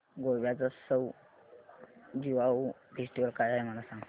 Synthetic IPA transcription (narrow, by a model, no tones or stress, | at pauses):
ɡoʋjat͡sasəw | d͡ʑiʋau | fʰesʈiʋəlkajajməlasãŋ